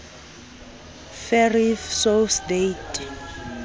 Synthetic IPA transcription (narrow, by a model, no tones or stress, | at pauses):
fɛrifsosdejtʼ